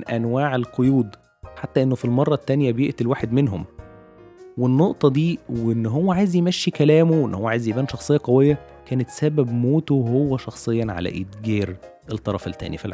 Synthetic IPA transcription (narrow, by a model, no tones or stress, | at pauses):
nʔænwaːʕelqojuːd̪ | ħat̪ːæʔenːofilmɑrˤːɑt̪ːænjæbjeʔt̪ilwaːħed̪menɦom | wenːoʔt̪ˤɑd̪iːwenːɦowːæʕaːjezjemæʃːikælæːmowʔenːhowːæʕaːjezjebæːnʃɑxsˤejːɑqæwejːæ | kæːnet̪sæbæbmoːt̪oɦowːæʃɑxsˤejːɑnʕa̰læ̰ʔit̪ɡiːɾ | ʔelt̪ˤːɑɾˤɑ̰felt̪ːæ̰ːnifilʕ